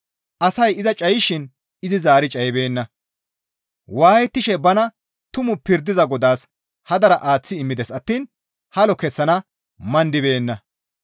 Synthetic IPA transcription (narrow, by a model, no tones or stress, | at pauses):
ʔɐsɐjɪzɐt͡ʃʼɐjɪʃɪn | ɪzɪzaːɾɪt͡ʃʼɐjbe̞ːnːɐ | waːjɛt̪ːɪʃɛbɐnɐ | t̪ʊmʊpɪɾd̪ɪzɐɡɔd̪aːs | hɐd̪ɐɾɐʔaːt͡sːɪɪmːɪd̪ɛsɐt̪ːiːn | hɐlɔkɛsːɐnɐ | mɐnd̪ɪbe̞ːnːɐ